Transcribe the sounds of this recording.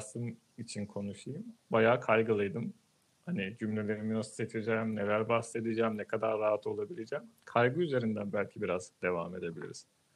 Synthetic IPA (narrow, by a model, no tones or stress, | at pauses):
sɯm | it͡ʃʰinkʰo̞nuʃɯjɯmbajaːkʰajɡɯlˠɯjd̪ɯm | hanid͡ʒymlʲe̞lʲeɾiminost̪et͡ʃ̪ʰid͡ʒɛːmne̞lʲæɾbahse̞d̪id͡ʒaːmnɛkʰad̪aɾːaɦat̪ʰo̞lˠabilʲed͡ʒɛːmkʰajɡɯyze̞ɾind̪ænbælʲcʰibiɾazd̪e̞va̰ːme̞d̪e̞bilʲḭɾiz̥